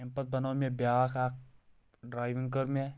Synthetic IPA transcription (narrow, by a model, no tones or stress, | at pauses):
ɛ̃mpət̪̚bɐnaːmẽbjakaːk | ɖɾaːɪʋɪ̃ŋkəɾmẽ